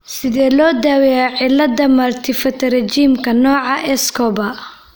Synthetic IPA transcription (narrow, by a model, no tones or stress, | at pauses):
sɪðɛːlɔːd̪aːwɛaʕɪlɐd̪ɐmɐrt̪ʰɪfɐt̪ʰɐrɛt͡ʃiːmkʰɐnɔːʕɑʔɛskʰɔbɐ